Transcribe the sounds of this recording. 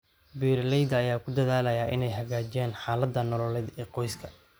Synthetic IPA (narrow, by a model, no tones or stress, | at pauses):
biːɾlɛjd̪ɐːjaːkʰʊd̪ɐðaːlɐjaːʔɪnɛjɦɐɣaːt͡ʃɛːnħaːlɐd̪ːɐnɔlɔlɛd̪ɛːqɔjskʰɐ